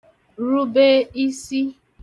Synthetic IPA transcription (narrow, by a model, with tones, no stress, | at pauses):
ɾu˦be˦i˦si˦